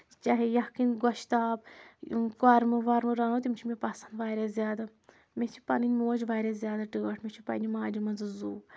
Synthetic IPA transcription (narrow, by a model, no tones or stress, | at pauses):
t͡ʃaɦijɐkinɡɔʃt̪aːb | kɐɾmɨʋɐɾmɨɾɐnot̪imt͡ʃʰimʲipɐsɐnd̪ʋaːɾʲazʲjaːd̪a | met͡ʃʰi̥pɐninʲmoːd͡ʒʋaːɾʲazʲjaːd̪aʈɨːɐʈʰmʲet͡ʃʰipɐ̰nimaːd͡ʒimɐnzɨzuː